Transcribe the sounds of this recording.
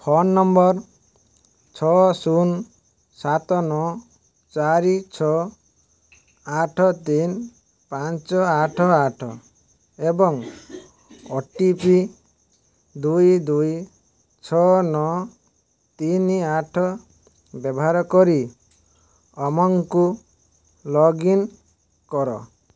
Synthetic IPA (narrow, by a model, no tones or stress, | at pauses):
pʰɔnːɔmbɔɾ | t͡ʃʰɔsun | sat̪ɔnɔ | t͡ʃaɾit͡ʃʰɔ | aʈʰɔt̪in | pant͡ʃɔaʈʰɔaʈʰɔ̰ | ebɔŋ | ɔʈipi | d̪ujd̪uj | t͡ʃʰɔnɔ | t̪iniaʈʰɔ | bɔbɔɦaɾɔkɔɾi | ɔmɔŋku | lɔɡin | kɔɾɔ̰